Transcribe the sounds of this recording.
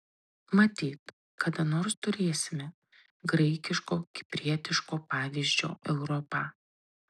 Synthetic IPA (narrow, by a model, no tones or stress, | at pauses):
mɐt̪ʲiːt̪ | kɐd̪ɐnoːɾst̪ʊɾʲeːsʲɪmʲɛ | ɡɾɐɪkʲɪʃkoːkʲɪ̥pʲɾʲiɛt̪ʲɪʃkoːpɑːʋʲiːzʲd͡ʒʲo̰ːɛʊɾɔpɑː